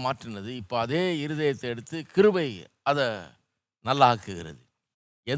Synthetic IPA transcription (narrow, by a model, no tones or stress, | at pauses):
maːʈrɪnɐðɯɪpːoɐðeːɪɾɯðɐjɐt̪ːɐɛɽɯt̪ːɯkɪɾɯbɐɪ | ɐðɐ | nɐlːaaːkːɯɣɪɾɐ̰ðɯ̰ | ɛ